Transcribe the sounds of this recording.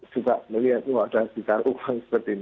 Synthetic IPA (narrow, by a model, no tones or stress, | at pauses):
sukaʔməliɦat̪̚muad̥asikaɾʔukaŋsə̥pərt̪in